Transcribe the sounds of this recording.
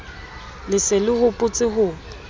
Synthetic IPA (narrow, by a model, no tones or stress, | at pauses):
lɪsɪlɪhʊpʼʊt͡sʼɪɦʊ